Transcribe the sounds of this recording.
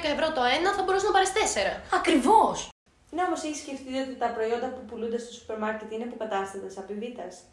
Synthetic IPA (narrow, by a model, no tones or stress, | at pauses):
kɐevɾot̪o̞e̞nɐθɐbo̞ɾusnɐpɐɾest̪e̞se̞ɾɐɐkɾivos | neo̞mo̞seçi̥sce̞ft̪io̞t̪it̪ɐpɾo̞io̞nd̪ɐpupulund̪ɐst̪o̞su̥peɾmɐɾce̞t̪inepukɐt̪ɐst̪ɐt̪esɐpivit̪ɐs